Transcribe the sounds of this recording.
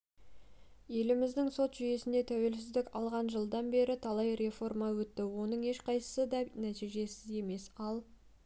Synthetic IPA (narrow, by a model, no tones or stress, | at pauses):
je̞lɪmɪzd̪ɪŋso̞t̪ʒ̥ʏje̞sɪnd̪e̞t̪ʰæwe̞lsɪzd̪ɪkʲɑlˠʁɑnʒəlˠd̪ɑnbe̞ɾɪt̪ʰɑlˠɑjɾe̞fo̞rmɑwɵt̪ːɪwo̞nəɴe̞ʃqʰɑjsə̥səd̪ɑnæt̪ijʒe̞sɪze̞me̞sɑlˠ